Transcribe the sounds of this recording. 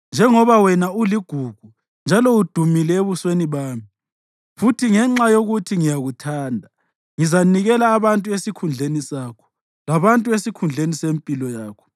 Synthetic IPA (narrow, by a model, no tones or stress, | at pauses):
nd͡ʒʱɛŋɔβawɛnauliɡ̥ʱuɡ̥ʱu | nd͡ʒʱalɔud̥ʱumilɛeβusweniβaːmi | futʰiŋɛŋ͡ǁajoɣutʰiŋijaɣutʰaːndʱa | ŋizaniɣɛlaːβantʼuesikʰund͡ɮʱenisakʰɔ̥ | laβantʼuesikʰund͡ɮʱenisempʼilɔjaːkʰɔ̥